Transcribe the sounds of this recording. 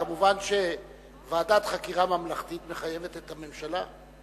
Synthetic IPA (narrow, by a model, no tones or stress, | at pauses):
amuvanʃe̞ | vaːdat̪χakiʁamamlaχt̪it̪me̞χaje̞vet̪et̪ame̞mʃala